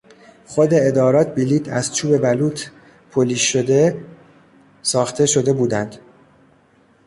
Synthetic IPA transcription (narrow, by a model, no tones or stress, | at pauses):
χo̞d̪e̞ed̪ɒːɾɒːt̪̚ʰbiliːt̪ʰæz̥t͡ʃʰuːbe̞bæluːt̪ʰ | pʰoliːo̞d̪e̞ | sɒːxt̪ʰe̞ʃo̞d̪e̞buːd̪ænd̪̥